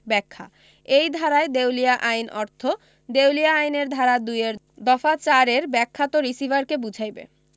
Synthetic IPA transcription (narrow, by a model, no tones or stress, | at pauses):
bɛkʰːa̰ | ejd̪ʱaɾaed̪ewlijaʔajnʔɔɾt̪ʰo | d̪ewlijaajneɾd̪ʱaɾad̪ujeɾ | d̪ɔfat͡ɕaɾeɾbɛkʰːat̪oɾisivaɾkebud͡ʑʱajbḛ